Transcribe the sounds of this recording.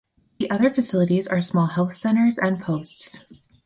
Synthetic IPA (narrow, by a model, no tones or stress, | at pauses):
ðiʔʌðə˞fɨsɪlˠəɾizə˞smɔlˠɦɛlˠθsɛ̃ɾ̃ə˞zɨ̃npʰoʊsts